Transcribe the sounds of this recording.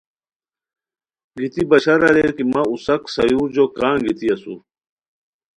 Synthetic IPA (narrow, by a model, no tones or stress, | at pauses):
ɡit̪ibɐɕɐɾɐlekimausɐksɐjuːɾd͡ʑokãːɡit̪iɐsṵ